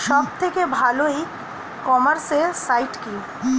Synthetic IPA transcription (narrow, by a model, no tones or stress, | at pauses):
ʃɔːb̚t̪ʰekebʱaːloi | kɔːməɾsesaːɪʈki